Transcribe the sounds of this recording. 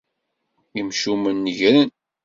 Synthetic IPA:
imʃumənːəʝɾən

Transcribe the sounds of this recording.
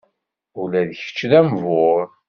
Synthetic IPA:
ʊlæðəçə̥t͡ʃːðæmvʊɾ

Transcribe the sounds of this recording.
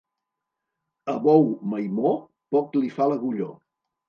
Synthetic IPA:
əβɔwməjmo | pɔklifaləɣuʎo

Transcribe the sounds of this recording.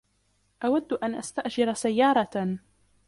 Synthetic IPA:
ʔawad̪ːʔanʔast̪aʔd͡ʒɪɾasajːɑːɾˤɑ

